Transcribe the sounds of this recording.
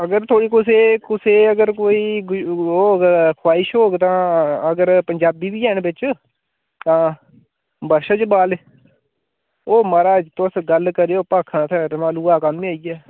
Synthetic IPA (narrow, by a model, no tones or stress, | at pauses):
əɡəɾt̪ʰoːɽiːkʊseːkʊseːəɡəɾkoːiːɡoːkʰwaːɪʃɦoːɡt̪ãːəɡəɾpəɲd͡ʒaːbiːbiːɛːɳbɪt͡ʃ | t̪ãː | bəɾʃət͡ʃbaːle | oːmaːɾaːd͡ʒt̪ʊsɡəlkəɾeːoːpaːkʰːãːt̪ʰɛːɾmaːluːaːkamĩːaːiːɛː